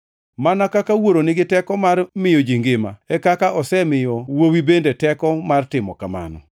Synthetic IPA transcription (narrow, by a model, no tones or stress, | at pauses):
manakakawoɾonɪɡɪtɛkɔmarmɪjɔd͡ʒiŋɡɪma̰ɛkakaʔɔsɛmɪjɔwowibendetɛkɔmartɪmɔkama̰nɔ̰